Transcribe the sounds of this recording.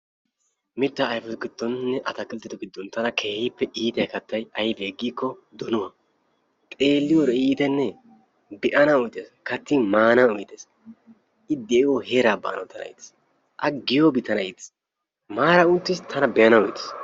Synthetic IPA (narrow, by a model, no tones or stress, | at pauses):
mɪt̪ːaːjfɔt̪ɔɡɪd̪̥ːɔnnɛʔɐt̪ɐkʼɪlt̪ːɪt̪ʊɡɪd̪ːɔnt̪ɐnɐkʰeːhɪpːɛʔiːt̪ɐjkɐt̪ːɐjɐjbe̞ːɡːiːkːɔd̪ɔnʊwɐ | t̪ʼe̞ːlːɪjɔɾɛiːt̪ɛnːɛ | bɛʔɐnɐʊjt̪ːeskɐt̪ːimaːnɐʊjt̪ːes | ɪd̪eːwoheːɾaːba̰ːnɐ̰t̪ɐnɐ̰ɪ̰ːt̪ɪ̥s | ʔɐɡɪjoːbɪt̪ːɐnɐiːt̪ːɪ̥s | maːɾɐʊt̪ːɪst̪ʰɐnɐbɛjɐnɐwʊjt̪ɪ̥s